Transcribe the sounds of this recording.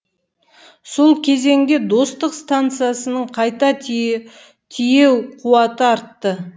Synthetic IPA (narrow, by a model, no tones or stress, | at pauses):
so̞lˠkʲʰe̞ze̞ŋɡʲe̞d̪o̞st̪əqst̪ant̪sɨjasənəɴqʰɑjt̪ɑ | t̪ʰije̞wqʰuwɑt̪əɑɾt̪ːə